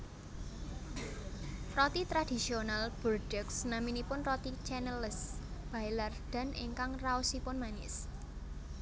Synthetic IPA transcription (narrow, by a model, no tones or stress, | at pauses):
rɔt̪it̪ɾad̥i̤sionalb̥ɔrdɛksnaminipʊnrɔt̪it͡ʃɛnɛlɪsb̥a̤ilard̪̥a̤nʔɪ̰ŋkaŋraʊsipʊnmanɪ̰s